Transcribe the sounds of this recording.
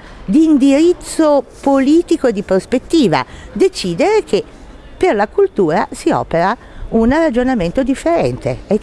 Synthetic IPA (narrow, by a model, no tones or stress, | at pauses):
d̪iːnd̪iɾit̪sːopoliːt̪ikoed̪ːipɾospet̪ːiːva̰d̪et͡ʃiːd̪eɾek̟ʰe | pːerlakult̪uːɾa̰siɔ̰ːpeɾa | unrad͡ʒonament̪od̪ifːeɾɛ̰nt̪ee